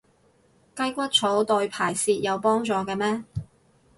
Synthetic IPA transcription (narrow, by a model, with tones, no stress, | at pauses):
kɐ˥jkʷɐ˥t̚t͡sʰo˨˥wt̪o˧ɥpʰaː˨˩jsiː˧t̚jɐ˨˧wpɔː˥ŋt͡sɔː˨˧kɛː˧mɛː˥